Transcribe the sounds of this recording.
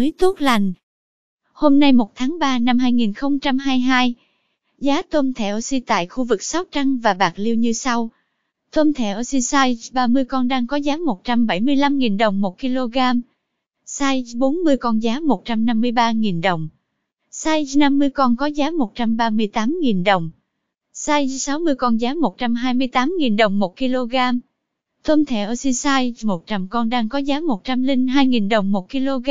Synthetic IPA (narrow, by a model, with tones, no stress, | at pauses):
jt̪u˦˥t̚la˨˩jŋ̟ | ho˧mna˧jmo˨˩t̚t̪ʰaː˨˦ŋɓaː˧na˧mɦaː˧jŋi˨˩nxə˧wŋ͡mt͡ɕa˧mɦaː˧jɦaː˧j | zaː˨˦t̪o˧mt̪ʰɛ˧˩ʔo˧si˧t̪a̰ː˧˨jxu˧vɨ˨˩k̚sɔ˦˥w̚t͡ɕa˧ŋvaː˨˩ɓaː˨˩k̚li˧wɲɨ˧sa˧w | t̪o˧mt̪ʰɛ˧˩ʔo˧si˧saː˧jzɓaː˧mɨ˧əjkɔ˧nɗaː˧ŋkɔ˨˦zaː˨˦mo˨˩t̚t͡ɕa˧mɓə˧˩jmɨ˧əjla˧mŋi˨˩nɗə˨˩wŋ͡mmo˨˩t̚ki˧lo˧ɣaː˧m | saː˧jɓo˨˦nmɨ˧əjkɔ˧nzaː˨˦mo˨˩t̚t͡ɕa˧mna˧mːɨ˧əjɓaː˧ŋi˨˩nɗə˨˩wŋ͡m | saː˧jna˧mːɨ˧əjkɔ˧nkɔ˨˦zaː˨˦mo˨˩t̚t͡ɕa˧mɓaː˧mɨ˧əjt̪aː˨˦mŋi˨˩nɗə˨˩wŋ͡m | saː˧jsa˨˦wmɨ˧əjkɔ˧nzaː˨˦mo˨˩t̚t͡ɕa˧mɦaː˧jmɨ˧əjt̪aː˨˦mŋi˨˩nɗə˨˩wŋ͡mmo˨˩t̚ki˧lo˧ɣaː˧m | t̪ʰwə˧mt̪ʰe˧˩ʔəː˧˩si˧saː˧jmo˨˩t̚t͡ɕa˧mkɔ˧nɗaː˧ŋkɔ˨˦zaː˨˦mo˨˩t̚t͡ɕa˧mlï˧ŋ̟ɦaː˧jŋi˨˩nɗə˨˩wŋ͡mmo˨˩t̚ki˧lo˧ɣa˧